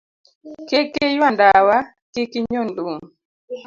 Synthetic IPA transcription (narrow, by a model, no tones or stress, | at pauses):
kekejwandawa | kekiɲonduŋ